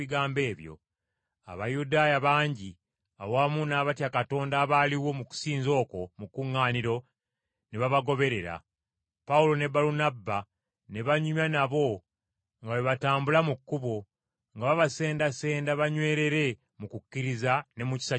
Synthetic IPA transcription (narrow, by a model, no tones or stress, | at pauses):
iɡaːmbe̞ːβjo̞̰ | a̰βajudaːjaβaːɲɟi | a̰wamunaːβatjakato̞ːndaːβaːliwo̞muku̥siːnzo̞ːko̞mukuŋːaːniɾo̞ | neβaβaɡo̞βe̞ɾe̞ɾa̰ | paulo̞ne̞baɾunabːa | ne̞βaɲumanaβo̞ | ŋɡaweβataːmbulamukːuβo̞ | ŋɡaβaβase̞ːndase̞ːndaβaɲwe̞ːɾe̞ɾe̞ | mukucːiɾizane̞muci̥sa